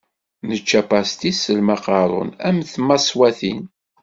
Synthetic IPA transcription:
nət͡ʃːæpɑst̪isəlmɑqɑɾˤʊ̰næmθmɑswæθin

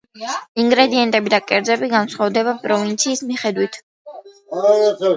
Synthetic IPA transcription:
iŋɡɾɛd̪iɛnt̪ʼɛbid̪akʼɛɾd̪zɛbiɡansχwavd̪ɛbapʼɾɔvint̪sʰiːsmiχɛd̪wit̪ʰ

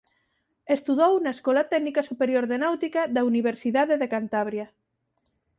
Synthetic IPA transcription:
est̪uðownaeskɔlat̪ɛɡnikasupeɾjoɾðenawt̪ikaðauniβ̞eɾsiðaðeðekant̪aβ̞ɾja

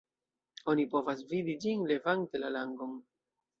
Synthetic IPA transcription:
o̞nipo̞vas̬vidid͡ʒinle̞vaŋtelalaŋɡo̞m

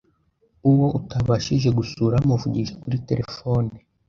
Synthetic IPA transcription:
uwo̞ʔutaβaʃiʒe̞ɡusuːɾamuvuɟiʒekuɾite̞̰ɾʔe̞foni

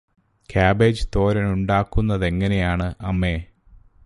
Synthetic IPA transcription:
kʰaːbe̞ːd͡ʑɨt̪o̞ːɾɐnuɳɖaːkːunːɐðe̞ŋːɐne̞jaːɳɨʔɐmːe̞ː

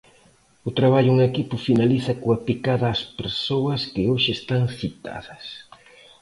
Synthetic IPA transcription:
ʊt̪ɾaβ̞aʎʊuŋekipʊfinaliθɐkoapikaðɐːspeɾsowɐskɪoʃɪːst̪aŋθit̪a̰ðɐs

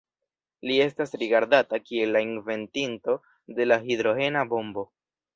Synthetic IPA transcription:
lie̞stasɾiɡaɾdatakie̞lːainve̞ntinto̞ | de̞laɦid̪ɾo̞he̞nabo̞mbo̞

